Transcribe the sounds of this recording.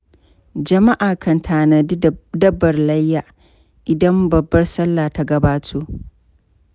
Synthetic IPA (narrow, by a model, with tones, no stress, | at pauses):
d͡ʒɐ˨ma˦ʔaː˨kʰɐ˨ntʰaː˨na˨dɐ˦bːɐ˨rlɐ˦jːaː˨ | ʔɪ˨dɐ˦mbɐ˨bːɐ˦rsɐ˦lːaː˨ta˦ɡɐ˦baː˦tʰoː˦ʔ